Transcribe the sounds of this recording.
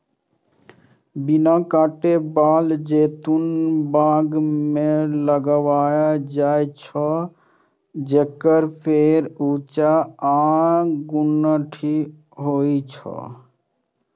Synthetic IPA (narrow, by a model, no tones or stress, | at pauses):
binakaʈebald͡ʒet̪unbãɡmeləɡwajad͡ʒajt͡ʃʰɔ | d͡ʒekəɾpʰeɾut͡ʃaaɡunːəʈʰi | ɦoit͡ʃʰɔ̰